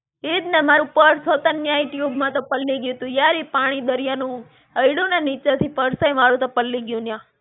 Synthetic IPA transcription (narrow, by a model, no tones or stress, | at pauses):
id̪nɛmaɾũpəɾsot̪ənjaiʈjobmãt̪opəlːiɡjũt̪ũjaɾepaɽ̃id̪əɾijanũ | əjɽũnanit͡ʃət̪ʰipəɾsəjmaɾũt̪opəlːiɡjũnjã